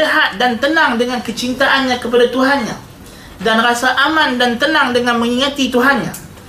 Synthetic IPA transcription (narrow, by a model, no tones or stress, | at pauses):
əɦat̪̚dant̪ənaŋdəŋãnkət͡ʃint̪aʔanɲãkəpadat̪uɦanɲã̰ | danrasaʔamandant̪ənãŋdəŋanmə̃ŋiŋat̪it̪uɦanɲa